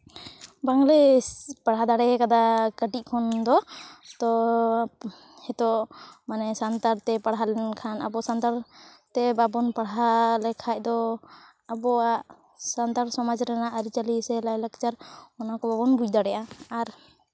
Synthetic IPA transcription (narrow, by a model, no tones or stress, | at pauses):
baŋlɛpaɽɦad̪aɽɛɛkad̪akəʈic̚ˀkʰɔnd̪ɔt̪ɔ | hɛt̪ɔʔmanɛsant̪aɾt̪ɛpaɽɦalɛnkʰana̰bɔsant̪aɾt̪ɛbabɔnpaɽɦalɛkʰac̚d̪ɔ | abɔaʔ | sant̪aɾsɔmad͡ʒɾɛnaʔaɾit͡ʃalisɛlajlakt͡ʃaɾɔnakɔbabɔnbud͡ʒd̪aɽɛjʔaːɾ